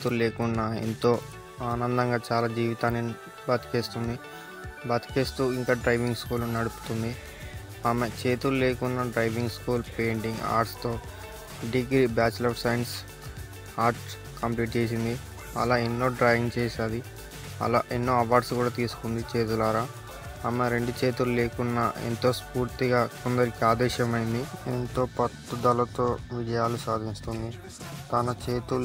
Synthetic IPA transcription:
t̪ulleːkunːɐḛnt̪o̞ː | aːnɐnd̪ɐŋɡaːt͡ʃaːlaːd͡ʒiːʋit̪aːnːi | bɐt̪i̥keːst̪und̪i | bɐt̪i̥keːst̪uːiŋkaːɖɾɐjʋiŋɡskuːlnɐɽupu̥t̪und̪i | aːmet͡ʃe̞ːt̪ulle̞ːkunːɐɖɾɐjʋiŋɡskuːlpe̞ːɳʈiŋɡa̰ːɾʈst̪o̞ː | ɖiɡɾibaːt͡ʃlɐːfsɐjns | aːɾʈ | kɐmpliːʈ̚t͡ʃeːs̬ind̪i | ɐ̰laːenːo̞ːɖɾajʋiŋɡt͡ʃeːʃaːd̪i | ɐ̰la̰ːʔenːo̞ːɐʋaːɾɖskuːɽaːt̪iːsu̥kund̪it͡ʃe̞ːt̪̬ulaːɾaː | aːmeɾe̞ɳɖut͡ʃe̞ːt̪ulule̞ːkunːɐḛnt̪o̞ːspuːɾt̪iɡaːkond̪ɐɾikiaːd̪ɛːʃɐmɐjind̪ient̪o̞ːpɐt̪ːud̪ɐlɐt̪o̞ːʋid͡ʒɐjaːlusaːd̪ʱinst̪und̪i | t̪anɐt͡ʃe̞ːt̪u

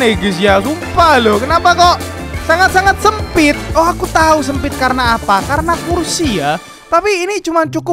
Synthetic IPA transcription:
eɡes̬ijasumpalɔkənapakɔʔ | saŋat̪̚saŋat̪̚səmpɪt̪̚ɔakut̪ausəmpɪt̪̚kaɾənaːpakaɾənakursija | t̪apiːnit͡ʃumant͡ʃukʊ

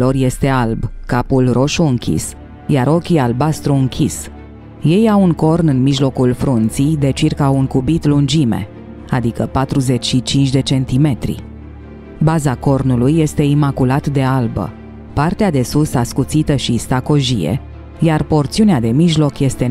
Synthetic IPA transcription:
o̞rje̞st̪e̞albkapulro̞ʃuɨŋkʲḭs | jaɾo̞kʲialbast̪ɾuɨŋkʲʰis | je̞jawuŋko̞rnɨnmiʒlo̞kulfɾunt̪sijd̪e̞t͡ʃirkauŋkubit̪lund͡ʒimḛ | ad̪ikəpat̪ɾuze̞t͡ʃʲʃit͡ʃint͡ʃʲd̪e̞t͡ʃe̞nt̪ime̞t̪ɾḭ | bazako̞rnulujːe̞st̪e̞imakulat̪d̪e̞albə̰ | part̪ead̪e̞susaskut̪sit̪əʃist̪ako̞ʒḭjḛ | jarpo̞rt̪siunead̪e̞miʒlo̞kje̞st̪e̞

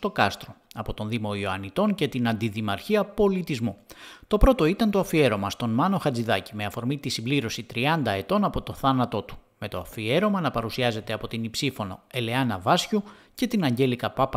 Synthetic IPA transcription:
t̪o̞kɐst̪ɾo̞ɐpo̞t̪o̞nðimo̞ioɐnit̪o̞ɲce̞t̪inɐnd̪iðimɐɾçiɐpo̞lit̪izmut̪o̞pɾo̞t̪o̞it̪ɐnt̪o̞ɐfie̞ɾo̞mɐst̪o̞nmɐno̞xɐd͡ziðɐcime̞ɐfo̞ɾmit̪isibliɾo̞sit̪ɾiɐnd̪ɐe̞t̪o̞nɐpo̞t̪o̞θɐnɐt̪o̞t̪u̥ | me̞t̪o̞ɐfie̞ɾo̞mɐnɐpɐɾusiɐze̞t̪eɐpo̞t̪inipsifo̞no̞̰e̞le̞ɐnɐvɐsçu | ce̞t̪inɐɲɟe̞likɐpɐp

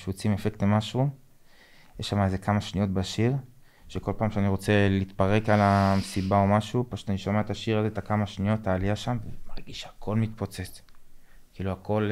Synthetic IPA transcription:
ʃut͡simefektemaʃu | jeʃːamaeze̞kamaʃnijo̞t̪baʃiʁ | ʃeko̞lpaːmʃeaniʁo̞t͡se̞lit̪paʁe̞kalamesibao̞maʃupaʃu̥t̪aniʃomeaet̪aʃiʁazet̪akamaʃnijo̞taːliaʃamvemaʁɡiʃeakʰo̞lmit̪po̞t͡set͡s | kiːluako̞l

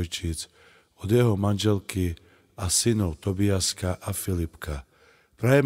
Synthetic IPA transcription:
jt͡ʃit͡s | ɔd̪jɛɦɔmanʒɛlki | asinɔʊt̪ɔbiaskaʔafilipka | pɾajɛm

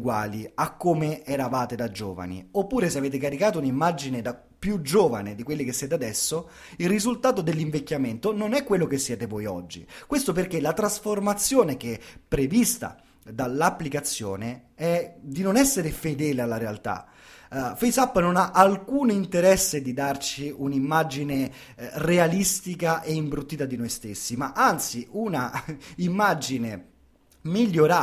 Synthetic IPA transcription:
uɡwa̰ːliakːomeɛɾavaːt̪ed̪ad͡ʒoːva̰nḭopːuːɾeseaveːt̪ekaɾikaːt̪ounimːad͡ʒined̪a | pːjud͡ʒoːva̰ned̪ikwelːikesːjɛːt̪ead̪ɛsːo | ilrizult̪aːt̪̬od̪elːiɱvekʲːjament̪ononɛkːwelːokesːjɛːt̪evoːjɔ̰d͡ʒːḭkwest̪op̬erk̟elat̪ɾasformat̪sːjoːnek̟epːɾevist̪a̰ | d̪alːapːlikat̪sːjo̰ːneɛd̪inonɛsːeɾefed̪ɛːlealːaɾealt̪a̰ | fejsapːnonaʔalkuːnint̪eɾɛsːed̪id̪art͡ʃiunimːad͡ʒine | realist̪ikaʔeimbɾut̪ːiːt̪ad̪inojst̪esːimaʔant̪siʔunaimːad͡ʒine | miʎːoɾa

